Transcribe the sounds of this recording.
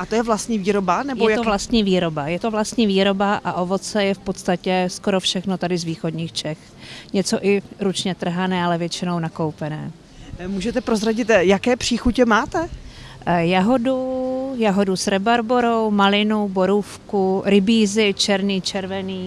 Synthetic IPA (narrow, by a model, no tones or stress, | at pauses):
ʔat̪ojɛvlast̪ɲiːviːɾobanɛbjoɛjtovlast̪ɲiːviːɾo̞bajɛt̪ovlast̪ɲiːviːɾo̞baʔaʔo̞vo̞t͡sɛjɛfpot̪st̪acɛsko̞ɾo̞fʃɛxno̞t̪adɪzviːxodɲiːxt͡ʃɛx | ɲɛt͡so̞ʔɪɾut͡ʃɲɛt̪r̩ɦanɛːalɛvjɛt͡ʃɪno̞wnakowpɛnɛ̰ː | muːʒɛt̪ɛpɾozɾaɟɪt̪jakɛːpr̥iːxucɛmaːt̪ɛ | jaɦo̞dujaɦodusɾɛbaɾboɾo̞wmalɪnubo̞ɾuːfkuɾɪbiːzɪt͡ʃɛɾniːt͡ʃɛɾvɛniː